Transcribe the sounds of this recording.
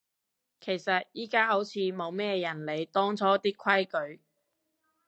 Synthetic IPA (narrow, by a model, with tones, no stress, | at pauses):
kʰe˨˩jsɐ˨t̚jiː˥kaː˥ɦo˨˥wt͡sʰiː˨˧mo˨˧wmɛː˥jɐ˨˩nle˨˧jt̪ɔː˥ŋt͡sʰɔː˥t̪iː˥kʰwɐ˥jkɵ˨˧ɥ